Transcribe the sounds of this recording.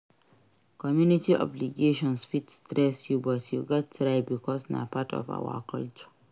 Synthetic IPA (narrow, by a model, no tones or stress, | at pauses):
kɔmjunitiʔɔ̰bliɡeːʃɔ̃nsfitstɾɛsjubɔtjuɡɔtːɾaɪbikʰɔsna̰patʰɔ̰fa̰wa̰kʰɔlt͡ʃ